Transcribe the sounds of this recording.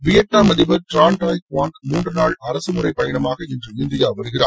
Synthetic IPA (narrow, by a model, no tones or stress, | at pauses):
ʋɪjɐʈ̚naːmɐðɪʋɐɾʈɾaːɳʈaːjkʋaːŋkmuːndrɯnaːɭɐɾɐsɯmɯrɐɪpːɐjɐɳɐmaːɣɐɛndrɯɪnd̪ɪjaːʋɐɾɯɣɪra̰ːɾ